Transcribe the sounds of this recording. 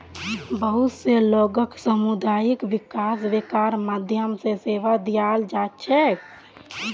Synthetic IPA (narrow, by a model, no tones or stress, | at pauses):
bəɦut̪seloɡəksəmud̪ajikʋikasbekaɾmad̪ʱjəmsẽseʋad̪ijald͡ʒat͡ʃʰɛ